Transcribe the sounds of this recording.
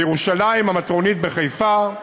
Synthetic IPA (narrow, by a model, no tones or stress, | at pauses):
jeʁuʃalaimamat̪ʁo̞nit̪̚beχejfa